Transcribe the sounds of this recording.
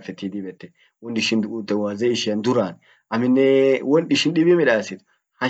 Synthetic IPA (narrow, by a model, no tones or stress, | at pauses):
fɛt̪ːid̪ɪbɛt̪ːɛ | wɔnɗɪʃɪnd̪uːt̪ʼːɛwaːzɛɪʃɪjɐnd̪ʊɾaːn | ʔɐmɪnːɛwɔnɗɪʃɪnɗɪbɪmɛᶑaːsɪt̪ | hɐ